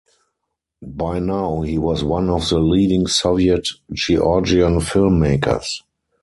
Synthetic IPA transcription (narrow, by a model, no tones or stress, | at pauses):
baɪnaʊhiːwɔswãnɔfðəliːdɪ̃ŋsɔviətd͡ʒiʔɔd͡ʒiə̃nfɪlmːeɪkʰə̰˞s